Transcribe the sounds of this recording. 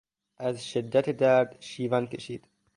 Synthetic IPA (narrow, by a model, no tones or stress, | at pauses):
æzʃed̪ːæt̪ʰed̪æɾd̪ʃiːvænkʲʰeʃiːd̪̥